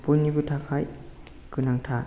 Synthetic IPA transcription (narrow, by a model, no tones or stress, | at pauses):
punːikut̪ʰakʰaj | kɯnaŋt̪ʰaːt